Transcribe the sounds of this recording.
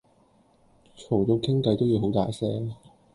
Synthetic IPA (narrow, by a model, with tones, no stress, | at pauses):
t͡ʃʰo˨˩wt̪o˨˧kʰɪ˥ŋkɐ˧jt̪o˥wji˨˧wɦo˨˥wt̪aː˨˩jsɛː˥